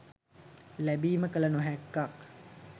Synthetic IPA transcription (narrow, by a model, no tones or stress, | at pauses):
læbiːməkələnoɦækːak